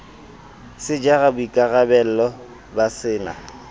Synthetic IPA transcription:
sɪd͡ʒaɣabʊikʼaɣabɛl̩lɔ | basɪːna̰

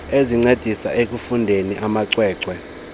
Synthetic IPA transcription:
eziŋ͡ǀed̥ʱisa̰ʔek̬ʼufundʱeniʔamaǀwɛːǀwɛ

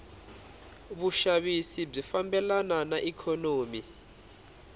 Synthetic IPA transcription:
ɓuʃaɓisib͡ʐifambɛlananaʔikʰɔnoːmi

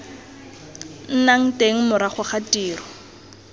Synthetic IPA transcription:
n̩naŋ̩teŋ̩mʊɾaχʊχatʼiːrɔ

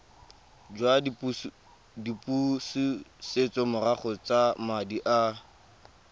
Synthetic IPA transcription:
d͡ʒwap | dipʼusiset͡sʼɔmʊraχɔt͡samadiʔa

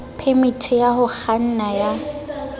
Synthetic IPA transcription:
pʰemitʰijaɦʊk͡xan̩naja

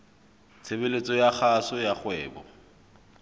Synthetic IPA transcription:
t͡sʰebelet͡sʼɔjaχasɔjaχwɛːbɔ̰

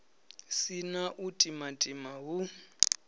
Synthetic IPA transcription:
sinaʔutʼimatʼimaɦu

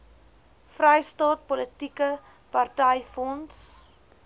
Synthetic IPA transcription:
frəjstɑːt̚pɔlətikə | pɐrtəjfɔns

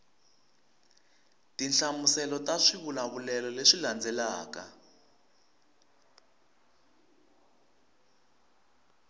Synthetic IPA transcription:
tinɬamusɛlɔtaʂiβulaβulɛlɔleʂiland͡zɛlaːka̰

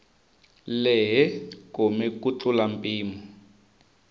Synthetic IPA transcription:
lɛɦɛkomɛkut͡ɬulampʼiːmɔ

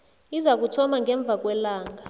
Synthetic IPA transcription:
izak̬utʰɔmaŋɡɛɱb̪vʱak̬wɛlaːŋʱa

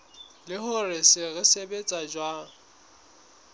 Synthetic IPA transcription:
lɪhʊrɪsɪɣɪsebet͡sʼad͡ʒwa

